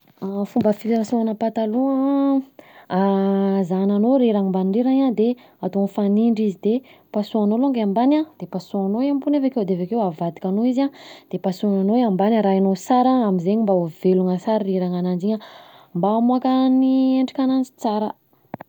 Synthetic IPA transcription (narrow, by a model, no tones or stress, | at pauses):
afumbəfid̪eɾasõanəpat̪aluə | azananoɾiɾaŋimbaniɳɖ͡ʐiɾaɲad̪e | at̪onfaniɳɖ͡ʐizid̪epasuanoloŋɡaambanad̪̥epasuanoiampunevaked̪evekewavad̪ikʲanoizad̪̥epasuananoiambanaɾaanosaɾaamizeɲimbaoveluŋəsaɾiɾiɾaŋanand͡ʒiɲə | mbaːmuakənieɳɖ͡ʐi̥kʲanand͡ʒi̥t͡saɾə